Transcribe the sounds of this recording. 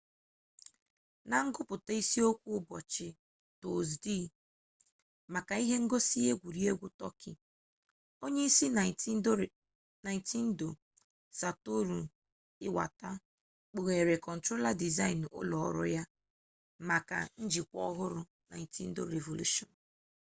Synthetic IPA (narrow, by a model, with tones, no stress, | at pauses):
na˨ŋ̩˦ɡʊ˦pʊ˨ta˦i˦si˦o˦kʷu˦ʊ˦bɔ˨t͡ʃɪ˨ | to˨zdi˦˨ | ma˨ka˨i˦ɦe˦ŋ̩˦ɡo˦si˦e˦ɡʷu˨ɾi˦e˦ɡʷu˦tɔ̰˦kɪ̰˨ | o˦ɲe˦i˦si˦n˨˦ | na˨jnti˦n̩˦do˨ | sa˨to˦ɾu˨ | ɪ˦wa̰˨ta˦ | k͡po˨ɣe˨ɾe˨kɔ˨n̩˨tɾo˦la˦di˨za˦ɪ˨n˨ʊ̰˦lɔ̰˨˦ɾʊ̰˦ja˦ | ma˨ka̰˨n̩˦d͡ʒi˨kʷɔ̰˦ɦʊ˦ɾʊ˦ | na̰˨i˨tḭ˦n̩˦do̰˦ɾe˨vo˨lṵ˦ʃɔ˨n˨